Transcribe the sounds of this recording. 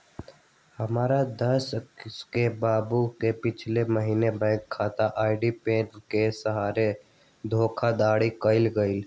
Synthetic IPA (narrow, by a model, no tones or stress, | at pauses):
həmaːɾad̪əsskebaːbukepɪt͡ʃʰleməɦiːnebɛ̃ːŋkʰːaːt̪aʔaːɪɖipẽːʈkesəɦaːɾe | d̪ʱoːkʰad̪aːɽikəɪlɡəɪl